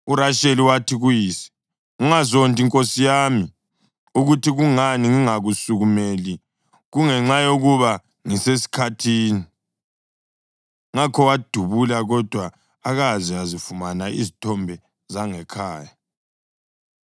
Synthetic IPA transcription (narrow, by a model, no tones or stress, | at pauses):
uɾaʃeliwatʰiɣujiːsi̥ | uŋazontʼiŋkʼosijami | uɣutʰiɣuŋaniŋiŋaɣusuɣumeli | ɣuŋɛŋ͡ǁajoɣuβa | ŋisesi̥kʰatʰiːni | ŋakʰɔwad̥ʱuβulaɣɔd̥ʱwaː | ɣaziazifumanaʔizitʰɔmbʱɛ | zaŋɛkʰaːja